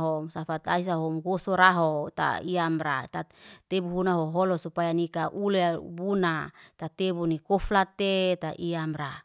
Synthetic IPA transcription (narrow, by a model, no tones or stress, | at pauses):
ɦomsafat̪ais̬aɦomɡosoɾaɦot̪a̰iamɾat̪at̪ebuɦunaɦoɦolosupajanikaʔulebunat̪at̪ebunikoflat̪et̪aʔiamɾa